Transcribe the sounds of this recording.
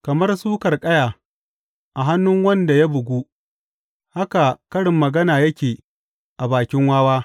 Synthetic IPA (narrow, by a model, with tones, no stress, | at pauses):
kɐ˨mɐ˦rsuː˦kɐ˨rkʼɐ˦jaː˨ | ʔa˨ɦa˦nːʊ˦ŋwɐ˦nda˨ja˦bʊ˨ɡʷu˦ | ha˦ka˨kɐ˦ɽɪ˨mːɐ˨ɡɐ˦naː˨jɐ˦kʲeː˨ | ʔa˨baː˨kʲɪ˦ŋwaː˦waː˦